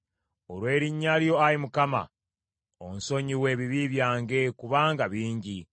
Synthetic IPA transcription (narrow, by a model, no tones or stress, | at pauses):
oɾwe̞ːɾiɲːaljo̞aɾimukama̰ | o̰nso̞ɲiwe̞ːβiβiβjaːŋɡe̞kuβaːŋɡaβiːɲɟi